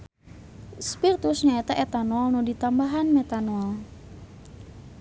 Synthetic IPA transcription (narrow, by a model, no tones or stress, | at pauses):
spirt̪ʊsɲaɛt̪əʔet̪anoalnodit̪ambaɦanmet̪anoɔl